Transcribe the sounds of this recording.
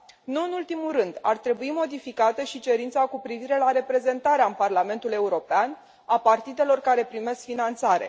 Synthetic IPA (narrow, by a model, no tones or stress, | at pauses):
nuɨnult̪imulɾɨnd̪a̰rt̪ɾe̞buimo̞d̪ifikat̪əʃit͡ʃe̞ɾint̪sakupɾiviɾe̞laɾe̞pɾe̞ze̞nt̪aɾeaɨmparlame̞nt̪ule̞uɾo̞pean | apart̪id̪e̞lo̞rkaɾe̞pɾime̞skfinant̪saɾe̞̰